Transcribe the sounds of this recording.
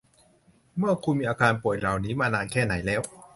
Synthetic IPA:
mɯ˥˩ɐkʰuː˧nmiː˧ʔaː˧kaː˧npu˨˩əjɾa˨˩wniː˦˥maː˧naː˧nkʰɛː˥˩na˩˦jlɛː˦˥w

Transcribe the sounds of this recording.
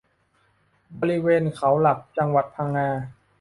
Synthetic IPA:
bɔː˧ɾi˦˧˥weː˧nkʰa˩˦wla˨˩k̚t͡ɕa˧ŋwa˨˩t̪̚pʰaː˧ŋːaː˧

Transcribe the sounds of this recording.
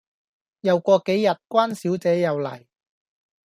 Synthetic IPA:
jɐ˨˧wkʷɔː˧ke˨˥jːɐ˨t̚kʷwaː˥nsiː˨˥wt͡sɛː˨˥jɐ˨wlɐ̰˨˩j

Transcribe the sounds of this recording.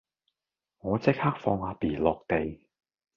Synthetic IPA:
ŋɔː˨˧t͡sɪ˥k̚haː˥k̚fɔː˧ŋaː˨˧piː˨˩lɔː˨k̚t̪e˨j

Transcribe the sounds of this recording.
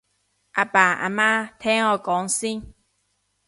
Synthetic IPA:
ʔa˨pa˨˩a̰˨ma˦t̪ʰɛ˦ɔ˧kɔ˨˦ŋsi˦ŋ

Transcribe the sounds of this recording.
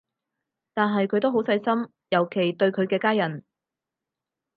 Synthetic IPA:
t̪aː˨nɦɐ˨jkʰɵ˨˧ɥt̪o˥wɦo˨˥wsɐ˧jsɐ˥m | jɐ˨˩wkʰe˨˩jt̪ɵ˧ɥkʰɵ˨˧ɥkɛː˧kaː˥jɐ˨˩n

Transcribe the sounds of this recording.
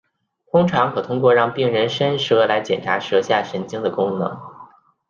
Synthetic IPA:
t̪ʰʊ˥ŋʈ͡ʂʰɑ˧˥ŋkʰɤ˨˩t̪ʰʊ˥ŋk̬wɔ˥˧ɻɑ˥˧ŋpi˥˩ŋɻə˧˥nʂə˥nʂɤ˥la˧˥ɪt͡ɕjɛ˨˩nʈ͡ʂʰa̰˧˥ʂɤ˧˥ɕja˥˩ʂə˧˥nt͡ɕi˥ŋd̪ə˨kʊ˥ŋnɤ̰˧˥˦ŋ

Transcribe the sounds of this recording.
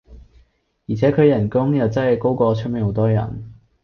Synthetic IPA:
jiː˨˩t͡sʰɛː˨˥kʰɵ˨˧jɐ˨˩nkʊ˥ŋjɐ˨wt͡sɐ˥hɐ˨jko˥wkɔː˧t͡ʃʰɵ˥me˨˥ho˨˥wt̪ɔː˥jɐ̰˨˩n

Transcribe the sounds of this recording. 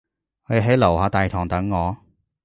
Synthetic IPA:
kʰɵ˧jɦe˨˥jlɐ˨˩whaː˨˧t̪aː˨jt̪ʰɔː˨˩ŋt̪ɐ˨˥ŋːɔː˨˧

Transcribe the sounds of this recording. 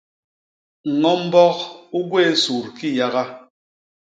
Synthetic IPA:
ŋ̩˨ŋɔ˦m̩˦bɔ˦ku˦ɡwe˦˨˦su˨ɾki˦ja˦ɣa˦

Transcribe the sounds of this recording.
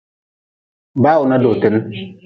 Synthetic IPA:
baː˦˨u˨na˦do˨te˦m˦

